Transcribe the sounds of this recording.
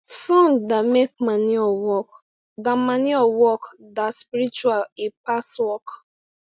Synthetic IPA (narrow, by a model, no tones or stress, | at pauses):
sɔ̃ndamek̚maniɔwɔk | damaniɔwɔkdaspiɾit͡ʃwalipaswɔk